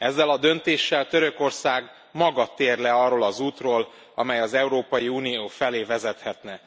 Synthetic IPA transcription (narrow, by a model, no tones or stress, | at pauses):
ɛzːɛlɒd̪ø̞nt̪eːʃːɛlt̪ø̞ɾø̞ko̞rsaːɡ | mɒɡɒt̪ːeːrlɛɒrːoːlɒzuːt̪roːl | ɒ̰mɛjɒzɛuɾoːpɒjiuːnijoːfɛleːvɛzɛt̪hɛt̪nɛ